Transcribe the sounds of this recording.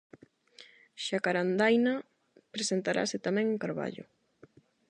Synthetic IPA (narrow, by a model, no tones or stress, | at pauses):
ʃakaɾand̪ajna | pɾesent̪aɾʔa̰sɪt̪amɛ̃ŋeŋkaɾβa̰ʎʊ̰